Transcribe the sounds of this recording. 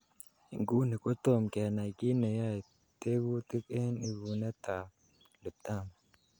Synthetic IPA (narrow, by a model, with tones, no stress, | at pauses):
ɪ˨ŋɡuː˦nɪ˨kʼʊ˦t̪ːo˦˨mke˨na˨ki˦ne˨ja˦˨ | t̪e˦wu˦t̪ɪ˦ke˦nɪ˨ɡu˨nɛ˦t̪a˨ | lʊ˨t̪ːa˦˨ma˨